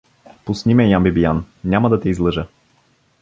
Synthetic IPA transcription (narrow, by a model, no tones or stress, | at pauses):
pʊsnimɛjambibijan | nʲamɐd̪ɐt̪ɛizlˠɤʒə